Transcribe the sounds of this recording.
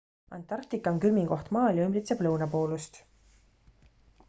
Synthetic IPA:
ɑ̰nt̪ːˑɑrkt̪ikːˑɑŋkylmiŋɡo̞ht̪mɑːlʲjɑymbrit̪seb̥lɤwnɑpo̞ːlust̪

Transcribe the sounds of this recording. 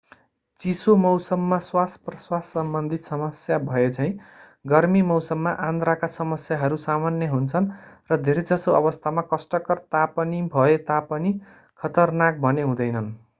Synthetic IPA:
t͡sisomʌwsʌmːaswasprʌswasːʌmbʌnd̪ʱit̪sʌmʌsjabʱʌet͡sʰʌĩ | ɡʌrmimʌwsʌmːaʔãnd̪ɾakasʌmʌsjaɦʌɾusamanjʌɦunt͡sʰʌnrʌd̪ʱeɾed͡zʌsoʌβʌst̪ʰamakʌsʈʌkʌrt̪apʌnibʱʌet̪apʌni | kʰʌt̪ʌrnak̚bʱʌneɦũd̪ʌjnʌn

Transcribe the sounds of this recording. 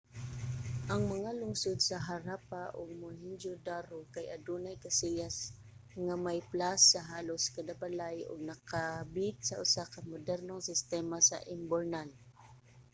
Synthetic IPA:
ʔaŋmaŋalʊŋsʊd̪saɦaɾapaʔʊɡ̚mʊɦɪnd͡ʒʊd̪aɾʊkajad̪unajkasijas | ŋamajplasːaɦaːlʊskad̪apalajʊ̰ɡ̚nakabɪt̪̚saʔʊsakamʊd̪ɛɾnʊŋsɪst̪ɛmasa̰ʔɪmbɛɾnal

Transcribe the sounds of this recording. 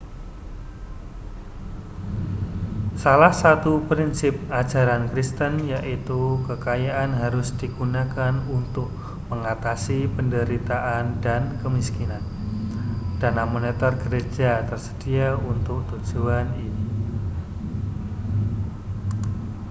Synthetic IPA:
salahsat̪upɾinsɪp̚ḁd͡ʒaɾankɾist̪ənjaʔit̪ukəkajaʔanɦaɾʊsd̥iɡunakanunt̪ʊk̚ | məŋat̪asipəndəɾit̪aʔandankəmiskinan | d̥anamonet̪ɔrɡəɾed͡ʒat̪ərsə̥d̥iaunt̪ʊk̚t̪ud͡ʒuanini

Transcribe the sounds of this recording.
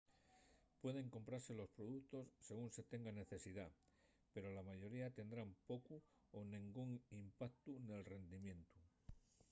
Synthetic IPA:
pwe̞ðe̞ŋko̞mpɾaɾse̞lo̞spɾo̞ðukt̪o̞sːe̞ɣunse̞t̪e̞ŋɡane̞θe̞siða | pe̞ɾo̞lamaʝo̞ɾiat̪e̞nd̪ɾampo̞ku | onĩŋɡuŋimpak̚t̪une̞lre̞nd̪imjẽ̞nt̪u

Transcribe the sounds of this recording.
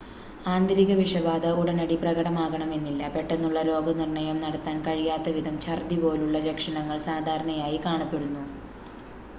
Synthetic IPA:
aːnd̪ɐɾiɣɐʋiʂɐbaːd̪ɐuɽɐnɐɽiprɐɣɐɽɐmaːɣɐɳɐme̞nːilːɐpe̞ʈːenːuɭːɐlo̞ːɡɐnirɳɐjɐmnɐɽɐt̪ːaːnkɐɻijaːt̪ːɐʋid̪ʱɐmt͡ɕɐrd̪ibo̞ːluɭːɐɾekʂɐɳɐŋːɐɭsaːd̪ʱaːɾɐɳɐjaːjikaːɳɐpːe̞ɽunːu

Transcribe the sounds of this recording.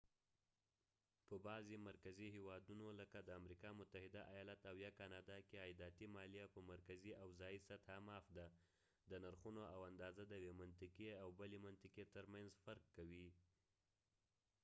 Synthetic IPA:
pəbɑzemaɾkazihewɑd̪unoləkad̪əamɾikɑmʊt̪ahɪd̪aʔajɑlat̪awjɑkanɑd̪ɑkeɑjd̪ɑt̪imɑlijapəmaɾkaziawzɑjisat̪hamɑfd̪a | d̪ənaɾxunoawand̪ɑzad̪əwemant̪ɪkeawbəlemant̪ɪket̪əɾmanzfaɾkːawi

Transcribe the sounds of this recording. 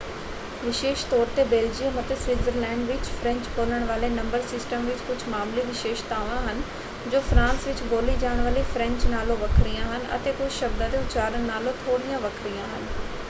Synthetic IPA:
ʋɪʃeːʃt̪ɔːɾt̪ebeːld͡ʑiə̃mɐt̪ʰesʋɪzəɾlɛ̃ːɳɖʋɪt͡ɕfɾɛ̃ɲt͡ɕkoːləɽ̃ʋaːlenɐ̃mbəɾsɪsʈəmʋɪt͡ɕkʊd͡ʑʱmaːmliʋɪʃeːʃt̪aːʋãɦənɪ̆ | d͡ʑoːfɾãːnsʋɪt͡ɕɡoːlid͡ʑaːəɽ̃ʋəlifɾɛ̃ɲt͡ɕnaːloʋɐkʰɾiãːɦənɪ̆ʔɐ̰t̪ẽkʊd͡ʑʱʃɐbd̪ət̪eʊt͡ɕaːɾəɽ̃naːlot̪ʰoːɽijãʋɐkʰɾijãːɦənɪ̆

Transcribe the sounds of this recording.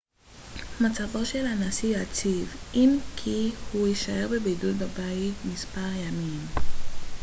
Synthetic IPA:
mat͡savoʃelanasijat͡sivinkʰihuiʃajeʁbebedut̚babaitmispaʁjamin

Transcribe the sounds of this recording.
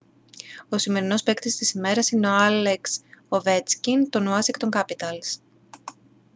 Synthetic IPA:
o̞sime̞ɾino̞spe̞kt̪ist̪isime̞ɾɐsineo̞ɐleksove̞t͡scint̪o̞noɐsikt̪o̞ŋkɐpit̪ɐls

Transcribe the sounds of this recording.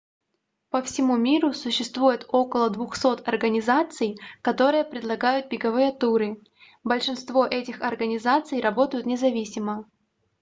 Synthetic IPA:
pəfsʲɪmumʲiɾʊsʊɕːɪst̪vujɪt̪o̞kəlˠəd̪vʊxso̞t̪ɐrɡənʲɪzat̪sɨjkɐt̪o̞ɾɨjəpɾʲɪd̪lˠɐɡajʊt̪̚bʲɪɡɐvɨjət̪uɾɨ | bəlʲʂɨnst̪vo̞ʔɛtʲɪxɐrɡənʲɪzat̪sɨjrɐbo̞t̪əjʊt̪nʲɪzɐvʲisʲɪmə

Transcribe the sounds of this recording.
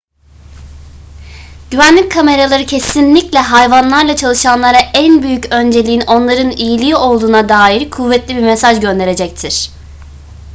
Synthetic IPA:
ɟyvænlʲic̚kʰːame̞ɾalˠaɾɯcʰesinlʲiclʲɛɦajvanlˠaɾlˠat͡ʃʰalˠɯʃanlˠaɾaʔænbyjycø̞nd͡ʒe̞lʲiino̞nlˠaɾɯnijilʲiio̞lˠd̪uːnad̪aːjiɾkʰuvːɛt̪lʲibiɾmesaʒɟø̞nd̪e̞ɾe̞d͡ʒɛc̚t̪ʰiɾ̥

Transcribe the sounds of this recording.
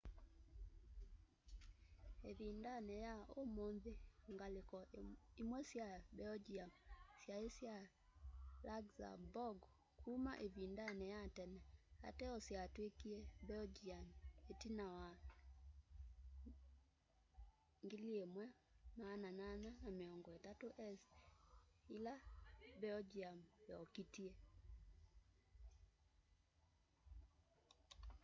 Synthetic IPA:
eβindanɛjaomonðeŋɡalekɔimwɛsjabɛd͡ʒiamsjaesja | laɡza̰bɔɡ | kʰuma̰ʔeβindanɛjatɛnɛa̰tɛɔsjatwekiɛbɛd͡ʒianetinawa | ŋɡiliemwɛ | mananananameɔŋɡɔetatoʔɛs | ilabɛɔd͡ʒiambɛɔkitie

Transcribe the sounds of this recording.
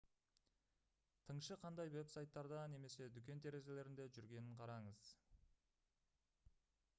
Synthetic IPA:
t̪ʰəɴʃəqʰɑnd̪ɑjwe̞psajt̪ːɑɾd̪ɑne̞me̞se̞d̪ʏkʲe̞nt̪ʰe̞ɾe̞ze̞le̞ɾɪnd̪e̞ʒʏɾɡʲe̞nɪɴqʰɑɾɑɴəz̥

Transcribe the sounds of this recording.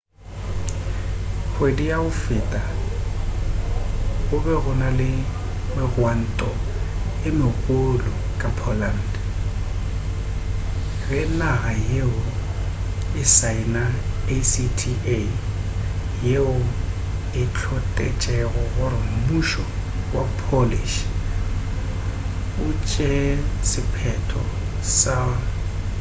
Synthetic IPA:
ɣwedijaʊfɪtʼa | ɣʊbɛɣʊnalɪ | mɪrwan̩tʼɔɪmɪɣolʊ | kʼapʰɔlan̩dɛ | rɛnaɣajeʊ | ɪsaɪnaesitʰie | jeʊ | ɪt͡ɬʰɔtʼɛt͡ʃʼɛɣɔɣʊɾɪm̩muʃɔ | wapʰoliʃ | ʊt͡ʃʼɛsɪpʰɛtʰɔ̰ | sa

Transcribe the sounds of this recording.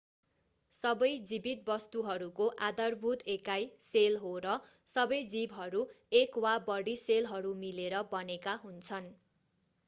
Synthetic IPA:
sʌbʌjd͡zibit̪̚bʌst̪uɦʌɾukoʔad̪ʌrbʱut̪ekajselɦoɾʌ | sʌbʌjd͡zibɦʌɾuekwabʌɽiselɦʌɾumileɾʌbʌnekaɦunt͡sʰʌn

